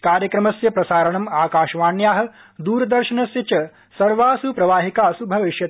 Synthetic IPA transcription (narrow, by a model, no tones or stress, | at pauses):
kaːɾjɐkɾɐmɐsjɐpɾɐsaːɾɐɳɐmaːkaːʃʋaːnjaːɦɐ̆ | d̪uːɾɐd̪ɐɾʃɐnɐsjɐt͡ʃɐ | sɐɾʋaːsupɾɐʋaːɦikaːɐsubʱɐʋiʃjɐt̪